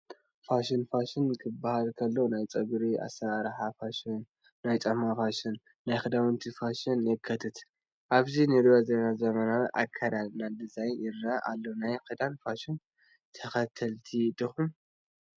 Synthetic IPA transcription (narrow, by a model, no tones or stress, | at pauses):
faʃɨnfaʃɨnkʰɨbːahalkʰɐlːonajt͡sʼɐɡɾiʔa̰saɾħafaʃɨnː | ajt͡sʼɐmafaʃɪnː | ajxɨd̪awɨnt̪ʰifaʃɨnjɛkʰːɐt̪ʰɨt̪ | ʔaβzinɨɾiwazenazɐmɐnaɾʔakʰɐɾalnad̪ɨzajjɪɾaʔa̰lːonajkɨd̪anfaʃɨn | t̪ʰɐxɐt̪ʰɐlt̪ʰit̪ʼɨxum